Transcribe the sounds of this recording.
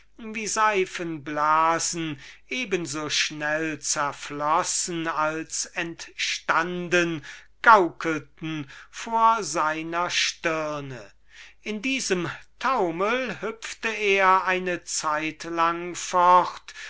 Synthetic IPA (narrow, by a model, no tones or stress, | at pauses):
viːzaɪfənblaːzn̩ʔeːbənzoːʃnɛlt͡sɛɐflɔsn̩alsɛntʃtandənɡ̥aʊkəltn̩foːɐzaɪnɐʃtɪɐnə | ʔɪndiːzəmtʰaʊməlhʏpftəeːɐaɪnət͡saɪtlaŋfɔχt